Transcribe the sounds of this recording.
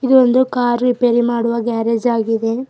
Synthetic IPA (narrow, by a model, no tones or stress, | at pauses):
id̪uond̪ukaːɾɾipeɾimaːɽuʋɐɡaːɾed͡ʒaːɡid̪e̞